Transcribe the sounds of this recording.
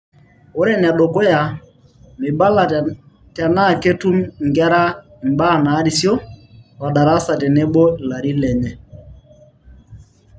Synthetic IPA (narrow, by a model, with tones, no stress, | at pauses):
o˦ɾɛ˦nɛ˨ɗo˨ko˦ja˨ | mɪ˨ba˦la˨ | ta˨na˦˨ke˦tu˦mŋɡɛ˦ɾa˦˨ | m˨ba˦˨na˨˦di˦˨sjɔ˦wa˨ɗa˨ɾa˦sa˨tɛ˨nɛ˦bɔ˦˨la˨ɾi˦lɛ˨ɲɛ˨